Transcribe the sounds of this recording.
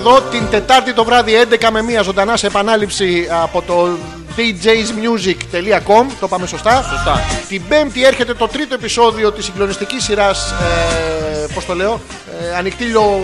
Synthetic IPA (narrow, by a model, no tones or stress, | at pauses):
ðo̞t̪int̪e̞t̪ɐɾt̪it̪o̞vɾɐðie̞nd̪e̞kɐme̞miɐzo̞nd̪ɐnɐseːpɐnɐlipsiɐpo̞t̪o̞ | d̪id͡ʑejzmjuzikt̪e̞liɐko̞mt̪o̞pɐme̞so̞st̪ɐsost̪ɐt̪ibe̞mt̪ie̞ɾçe̞t̪e̞t̪o̞t̪ɾit̪o̞e̞piso̞ðio̞t̪isiŋɡlo̞nist̪icisːiɾɐs | po̞st̪o̞le̞o̞ | ɐnikt̪iʎo̞